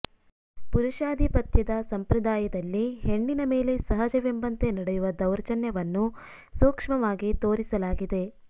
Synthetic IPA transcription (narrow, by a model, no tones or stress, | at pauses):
puɾuʃaːd̪ʱipɐt̪jɐd̪ɐsɐmpɾɐd̪aːjɐd̪ɐlːiɦe̞ɳːinɐme̞ːle̞sɐɦɐd͡ʒɐʋjɐmbɐnt̪enɐɽejuʋɐd̪ɐwɾɐt͡ʃɐnjɐʋɐnːu | suːkʂmɐʋaːɡit̪oːɾisɐlaːɡid̪e̞